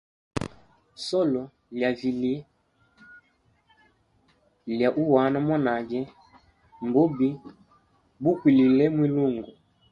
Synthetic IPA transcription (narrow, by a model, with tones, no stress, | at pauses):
sɔ˦lɔ˨ | lja˨vi˨li˦ | lja˨ʔu˦wa˨˦na˦mɔ˦na˨d͡ʒɛ˦ | mbɔ˦bi˦ | bu˦kwi˨li˨lɛ˦mwi˦lu˦˨ŋɡuɔ˨